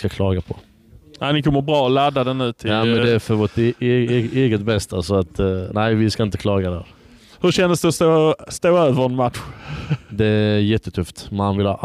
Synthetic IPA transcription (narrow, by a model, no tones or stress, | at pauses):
kakʰlɑːɡapʰɔ | aɪnɪkʰɔmːəɾbɾɑːɔlad̪ːad̪ɛnnʉ̟ːt̪ʰɪamɛnd̪ɛæɾfœɾvot̪ː | eːɡət̪bɛst̪ʰasɔat̪næɪvɪskaɪnt̪ə̥kʰlɑːɡad̪æ̰ɾ | hɵɕɛnːəsd̪ɵɔst̪oːst̪oːøːvəɾɛnmat̪ɧd̪ɛæɾjɛt̪ːət̪ʰɵft̪manvɪlhɑ̰ːʔ